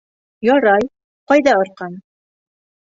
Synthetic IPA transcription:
jɒɾɑj | qɑjðɑŏɾqɑn

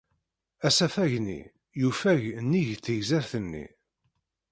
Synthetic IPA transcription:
æsæfæʝnḭ | jufæʝnːiʝθəʝzæɾθənːḭ

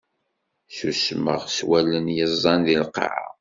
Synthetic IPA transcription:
susmə̰ʁswælːənjəzˤːɑnðilqʕa̰

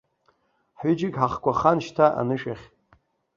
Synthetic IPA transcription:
ħʏd͡ʒɪɡʲħaχkʷaχanʃtʰaʔa̰nɨʃᶣaχʲ

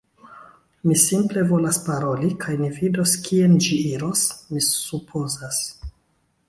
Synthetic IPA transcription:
misimple̞vo̞laspaɾo̞likʰajmivido̞skʰiend͡ʒiiɾo̞smisupʰozas

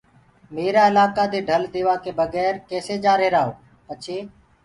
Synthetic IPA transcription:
meːɾaːɪlaːkaːd̪eːɖʱəld̪eːʋaːkeːbəɡɛːɾkeːseːd͡ʒaːɾeːɾaːɦoː | pət͡ʃʰeː

